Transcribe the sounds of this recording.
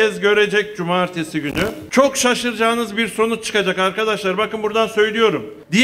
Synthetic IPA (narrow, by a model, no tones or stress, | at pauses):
ɛzɟø̞ɾe̞d͡ʒɛc̚d͡ʒumaːɾt̪ʰesiɟynyt͡ʃʰo̞kʃaʃɯɾd͡ʒaːnɯzbiɾso̞nut͡ʃʰɯ̥kad͡ʒakaɾkad̪aʃlˠaɾbakɯnbuɾd̪ansø̞jlʲijo̞ɾum | d̪ij